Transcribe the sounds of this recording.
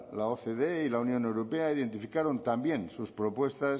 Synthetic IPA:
laoθeðeilaunjõ̞newɾope̞aiðe̞nt̪ifikaɾont̪ambje̞nsuspɾo̞pwe̞st̪as

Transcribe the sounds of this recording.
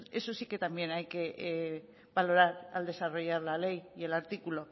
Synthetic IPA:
e̞so̞sike̞t̪ambje̞najke̞ʔ | balo̞ɾaɾa̰ld̪e̞saro̞ʝaɾlale̞jie̞laɾt̪ikulo̞

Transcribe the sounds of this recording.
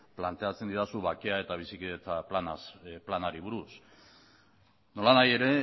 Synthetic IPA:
plant̪e̞at͡se̞nd̪iɾasuβakeae̞t̪aβ̞isikit͡s̪aplanasplanaɾiβ̞uɾus | no̞lanaje̞ɾe̞

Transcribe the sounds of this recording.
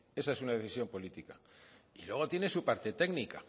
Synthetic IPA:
e̞saesunaðe̞θisjo̞mpo̞lit̪ikailwe̞ɣ̞o̞t̪je̞nesupaɾt̪e̞t̪e̞ɣnika

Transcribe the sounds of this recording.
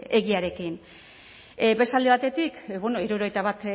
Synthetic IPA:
e̞ɣiaɾe̞kin | be̞st̪ald̪eβ̞at̪e̞t̪ikbonoiɾuɾo̞ɣejt̪aβat̪

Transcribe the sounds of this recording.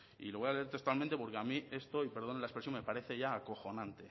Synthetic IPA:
ḭlo̞βo̞jale̞eɾt̪e̞st̪walmẽnt̪e̞po̞ɾke̞amie̞st̪o̞ipe̞ɾð̞o̞nelaespɾesjo̞mepaɾe̞θe̞ʝaːko̞xo̞nãnt̪e̞

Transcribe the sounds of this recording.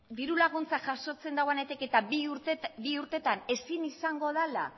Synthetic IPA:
d̪iɾulaɣ̞unt͡saʝaso̞t͡se̞nd̪aɣwane̞t̪eke̞t̪a | biuɾt̪e̞t̪ane̞sinisaŋɡo̞ðala̰

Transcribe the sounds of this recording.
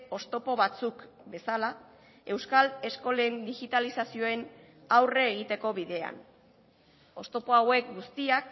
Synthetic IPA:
o̞st̪o̞po̞βat͡suk | be̞sala | e̞wskale̞sko̞lend̪iɣit̪alisasio̞e̞n | awre̞ːɣ̞it̪e̞ko̞βiðe̞a̰n | o̞st̪o̞po̞awe̞k̚ɡust̪iak

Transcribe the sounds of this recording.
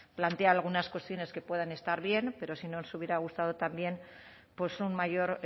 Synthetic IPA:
plant̪eaːlɣ̞unaskwe̞st̪jo̞ne̞ske̞pwe̞ðane̞st̪aɾβje̞npe̞ɾo̞sinonsuβ̞je̞ɾaɣ̞ust̪aðo̞t̪ambje̞n | pwe̞sunmaʝo̞ɾ

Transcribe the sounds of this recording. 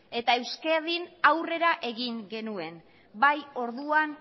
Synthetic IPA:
e̞t̪ae̞wskeðinawre̞ɾaʔe̞ɣiŋɡe̞nue̞n | bajo̞ɾðuan

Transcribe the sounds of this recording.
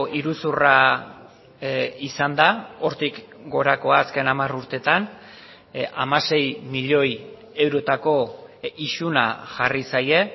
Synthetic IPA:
iɾusura | isand̪ao̞ɾt̪ikɡo̞ɾako̞aːske̞namaruɾt̪e̞t̪an | a̰mase̞jmiʎo̞j | e̞wɾo̞t̪ako̞iʃuna̰ʝarisaje̞

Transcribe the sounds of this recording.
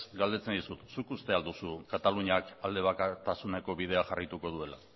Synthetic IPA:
sɡald̪e̞t͡send̪isut̪sukust̪e̞ald̪usukat̪aluɲakald̪e̞βakat̪asune̞ko̞βið̞e̞aʝarajt̪uko̞ð̞ue̞la̰

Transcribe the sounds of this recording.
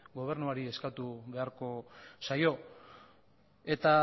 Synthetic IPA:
ɡo̞β̞e̞ɾnuaɾie̞skat̪uβe̞aɾko̞sajo̞ | e̞t̪a

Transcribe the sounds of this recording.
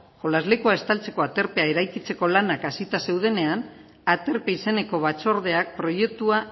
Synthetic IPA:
ʝo̞lazle̞kuae̞st̪alt͡se̞ko̞at̪e̞ɾpe̞ae̞ɾajkit͡se̞ko̞lanakasit̪ase̞wð̞e̞ne̞an | at̪e̞ɾpe̞ise̞ne̞ko̞βat͡so̞ɾð̞e̞ak̚pɾo̞je̞k̚t̪ua

